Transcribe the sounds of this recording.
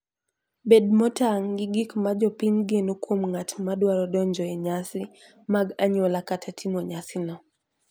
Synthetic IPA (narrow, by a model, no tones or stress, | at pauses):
bɛd̚mɔtaŋɡɪɡikmad͡ʒɔpiɲɡenokwomŋatmadwaɾɔdɔɲd͡ʒɔɛɲasɪ | maɡaɲolakatʰatʰimɔɲasɪnɔ